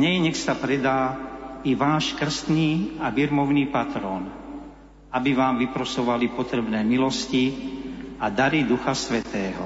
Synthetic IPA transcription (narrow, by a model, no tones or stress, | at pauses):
ɲɛjɛɲɛxsapɾɛd̪aːiʋaːʃkr̩st̪niːaʋiɾmɔʊniːpat̪ɾɔːn | abiʋaːmʋipɾɔsɔʋalipɔt̪ɾɛbnɛːmilɔsci | ad̪aɾid̪uxasʋɛt̪ɛːɦɔ̰